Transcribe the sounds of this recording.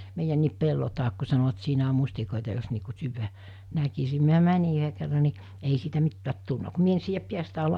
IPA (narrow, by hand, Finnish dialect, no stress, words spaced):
meijænːiːp pelːo tɑːk ku sɑnoʋ̆ɑ̆t siːnæ om̆ mustikoˑitɑ jos niː ku syːʋæ nækisi miæ mænʲi yɦe kerːɑ ni ei siːtæ mitːæːt tulnɑ ku mie en siːjæp piæstæˑe olːɑ